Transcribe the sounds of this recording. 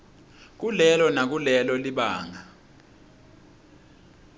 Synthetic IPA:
k̬ulɛlɔnak̬ulɛlɔliɓaːŋa

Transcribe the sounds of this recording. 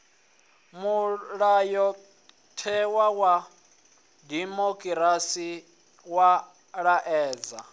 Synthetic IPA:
muɺajɔ | tʰɛwawa | dimokʼiɾasi | wa | ɺaʔɛːd͡za

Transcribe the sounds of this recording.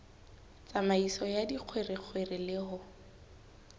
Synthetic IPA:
t͡samaisɔjadiq͡χʰwerɪq͡χʰwerɪlɪɦʊ

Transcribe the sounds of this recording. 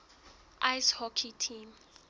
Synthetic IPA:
ʔajshɔkʰitʰim

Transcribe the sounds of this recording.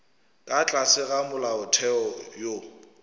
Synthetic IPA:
kʼat͡ɬʼasɪɣamʊlaʊtʰɛɔjo

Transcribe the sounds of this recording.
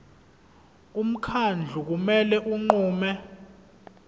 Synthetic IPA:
um̩kʰand͡ɮʱuk̬umɛlɛʔuŋ͡ǃuːmɛ

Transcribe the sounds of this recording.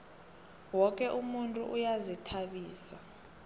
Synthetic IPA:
wɔk̬ʼɛʔumuntʼṵʔujazitʰaɓiːsa

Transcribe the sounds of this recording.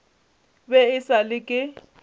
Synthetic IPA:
bɛɪsalɪkʼɪ

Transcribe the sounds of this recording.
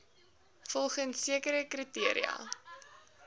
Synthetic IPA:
fɔlˠχənsːiəkəɾəkritiəɾḭɐ̰

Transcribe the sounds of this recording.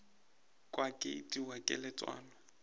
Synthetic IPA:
kʼwakʼɪitʼiwakʼɪ̰lɪt͡sʼwa̰ːlɔ

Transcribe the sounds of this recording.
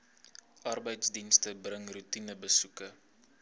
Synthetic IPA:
ʔɐrbəjtsdinstəbrəŋrutinəbəsukə

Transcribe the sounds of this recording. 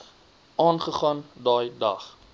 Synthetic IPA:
ʔɑːnχəχɑːndɑːjdɐχ

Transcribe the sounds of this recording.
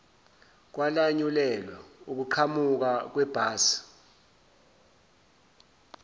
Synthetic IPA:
k̬walaɲulɛlwauk̬uǃʰamuk̬ak̬wɛb̥ʱaːsi̥

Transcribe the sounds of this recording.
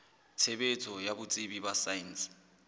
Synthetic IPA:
t͡sʰeɓet͡sʰɔjaβut͡sʼiβiβasains

